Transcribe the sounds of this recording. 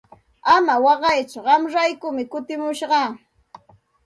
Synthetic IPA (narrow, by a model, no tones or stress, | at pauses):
amawɑɢɑjt͡ʃʊɢɑmɾajkʊmɪkʊt̪ɪmʊʃɢɑː